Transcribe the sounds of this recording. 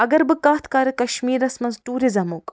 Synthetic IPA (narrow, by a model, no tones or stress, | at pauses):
ɐɡɐɾbɨkaːt̪ʰkaːɾɨkɐʃmiːɾɐsmɐnzʈuːɾizɐmuːk